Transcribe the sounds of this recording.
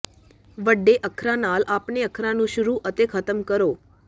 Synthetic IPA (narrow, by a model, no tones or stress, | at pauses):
ʋəɖːeʔəkʰɾanalapneəkʰɾanũʃʊɾuʔət̪ekʰət̪əmkəɾo